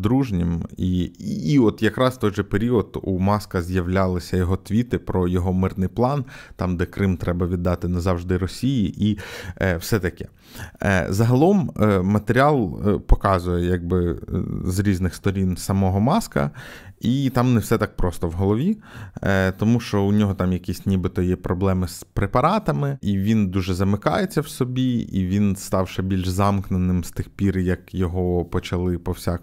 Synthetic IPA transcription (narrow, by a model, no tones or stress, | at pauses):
d̪ɾuʒnʲimiː | ɔt̪jɐkɾɑst̪ɔjʒɛpeɾʲiɔd̪umɑskɐzʲjɐwlʲɑlˠɪsʲɐjɔɦɔt̪ʋʲit̪ɪpɾɔjɔɦɔmɪrnɪjplˠɑnt̪ɑmd̪ɛkɾɪmt̪ɾɛbɐʋʲid̪ːɑt̪ɪnɐzɑwʒd̪ɪɾɔsʲijiʔiwsɛt̪ɐkɛ̥̰ | zɐɦɐlˠɔmmɐt̪eɾʲiɑlˠpɔkɑzʊjɛjɑɡ̚bɪzɾʲiznɪxst̪ɔɾʲinsɐmɔɦɔmɑskɐ̰it̪ɑmnɛwsɛt̪ɑk̚pɾɔst̪ɔwɦɔlˠɔʋʲi | t̪ɔmuʃt͡ʃɔʊnʲɔɦɔt̪ɑmjɐkʲisʲnʲibɪt̪ɔjɛpɾɔblˠɛmɪspɾepɐɾɑt̪ɐmɪiʋʲind̪uʒɛzɐmɪkɑ̰jet͡sʲːɐwsɔbʲiḭʋʲinst̪ɑwʃɛbʲilʲʒzɑmknenɪmst̪ɪxpʲiɾjɐkjɔɦɔpɔt͡ʃɐlˠɪpɔwsʲak